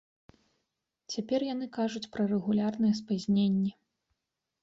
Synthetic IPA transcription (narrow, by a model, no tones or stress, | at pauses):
t͡sʲapʲɛrjanɨkaʐut͡sʲpɾɐrɛɣulʲarnɨjɛs̬pazʲnʲenʲːɛ